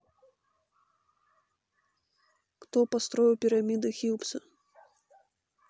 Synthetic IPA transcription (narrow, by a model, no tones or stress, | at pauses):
xt̪ɔpast̪ɾɔjupʲiɾamʲid̪ɨxʲiwpsʲɐ